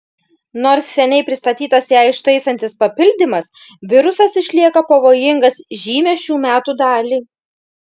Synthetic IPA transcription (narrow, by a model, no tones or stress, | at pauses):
noːɾsːʲɛnʲɛɪpʲɾʲɪst̪ɐt̪ʲiːt̪ɐsjɛɪʃt̪ɐɪsɐnʲt̪ʲɪspɐpʲɪlʲd̪ʲɪmɐs | ʋʲɪɾʊsɐsɪʃʲlʲiɛkɐpɐʋoːjɪŋɡɐsʒʲiːmʲɛʃʲuːmʲæːt̪uːd̪ɑːlʲiː